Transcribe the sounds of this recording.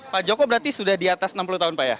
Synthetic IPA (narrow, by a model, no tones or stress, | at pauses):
pad͡ʒokɔbəɾart̪isudahdiat̪asənampulut̪aɦʊnpaja̰